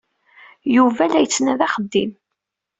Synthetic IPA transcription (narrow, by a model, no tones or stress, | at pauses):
juvælæjət͡sːnæðɑχəd̪ːim